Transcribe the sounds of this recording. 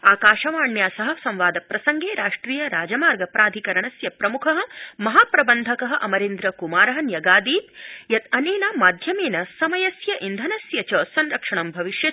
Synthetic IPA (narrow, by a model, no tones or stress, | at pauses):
aːkaːʃɐʋaːɳjaːsɐɦɐsɐ̃mʋaːd̪ɐpɾɐsɐŋɡeːɾaːʂʈɾiːjɐɾaːd͡ʒɐmaːɾɡɐpɾaːd̪ʱikɐɾɐɳɐsjɐpɾɐmukʰɐɦɐ̆mɐɦaːpɾɐbɐnd̪ʱɐkɐɦɐ̆ʔɐmɐɾeːnd̪ɾɐkumaːɾɐɦɐ̆njɐɡaːd̪iːt̪̚jɐt̪ɐneːnamaːd̪ʱjɐmeːnɐsɐmɐjɐsjɐʔind̪ʱɐnɐsjɐt͡ʃɐːsɐnɾɐkʂɐɳɐmbʱɐʋiʃjɐ